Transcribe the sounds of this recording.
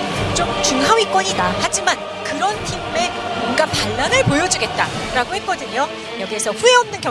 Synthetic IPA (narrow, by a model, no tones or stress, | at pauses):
t͡ɕ͈omt͡ɕuŋɦawik͈wʌɲidahad͡ʑiman | kɯɾʌntʰimme̞mʌnɡapaɭːanɯɭpojʌd͡ʑuɡe̞t̚t͈aɾaɡohe̞k͈ʌdɯɲo | jʌɡiesʰʌɸue̞ʌmnɯnkjʌ